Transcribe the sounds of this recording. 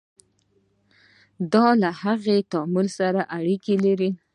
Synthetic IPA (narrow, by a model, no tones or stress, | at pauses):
d̪ɑlahaɣet̪ɑmulsaɾaʔaɽikelaɾi